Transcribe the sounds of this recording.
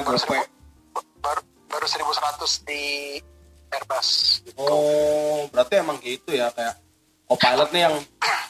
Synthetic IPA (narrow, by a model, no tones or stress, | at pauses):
baɾus | baɾ | baɾusəɾibusəɾat̪ʊsdi | ɛrbasɔ | bəɾart̪iemaŋɡit̪ujakajaʔ | kopalət̪̚nɪjaŋ